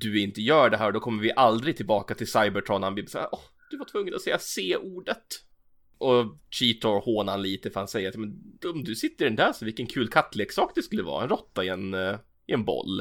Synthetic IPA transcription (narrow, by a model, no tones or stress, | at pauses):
d̪ɵɪnt̪əjœːɖɛɦæːɾɔd̪ɔkʰɔmːəɾvɪʔald̪ɾɪɡ̚t̪ʰɪlbɑːkat̪ʰɪlsajbəʈʰɾɔnanbibsa̰ːʔɔh | d̪̥ɵvaʈʰvɵŋːənɔsɛjːaseːʔuːɖət̪ | ʔɔɕiːt̪ʰɔɾhoːnanliːt̪əfœɾhansɛjːəɾat̪jɑmɛnɔmd̪ɵsɪt̪ːəɾɪɖɛnd̪æːɾʂɔvɪlkənkʰʉːlkʰat̪ːleːksɑːkd̪ɛskɵlːəvɑ̰ːɾaɛnɾɔt̪ːaɪɛn | ɪɛnbɔ̰lː